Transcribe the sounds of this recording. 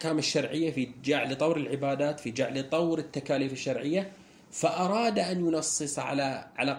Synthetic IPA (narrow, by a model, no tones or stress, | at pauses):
kaːmɪʃːɑɾˤʕɪjːafid͡ʒaʕlɨt̪ˤɑwɾɪlʕɪbaːd̪aːt̪fid͡ʒaʕlɪt̪ˤɑwɾɪt̪ːakaːliːfɪʃːɑɾʕɪjːa | faʔɑɾˤɑːd̪aʔanjʊnɑsˤːɨsˤɑʕa̰laʕa̰la